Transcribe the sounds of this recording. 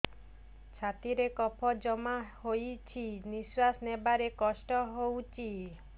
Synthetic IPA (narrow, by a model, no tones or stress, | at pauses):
t͡ʃʰat̪iɾekɔpʰɔd͡ʒɔmahojt͡ʃʰiniswasnebaɾekɔsʈɔɦowt͡ʃʰi